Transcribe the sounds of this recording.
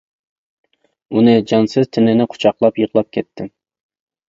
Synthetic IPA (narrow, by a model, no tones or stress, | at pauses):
unɨd͡ʒɑnsɪz̥t̪ʰɪnɪnɪqʰʊ̥t͡ʃʰɑqlˠɑpjəʁlˠɑp̚kʲʰɛt̪ʰːɪm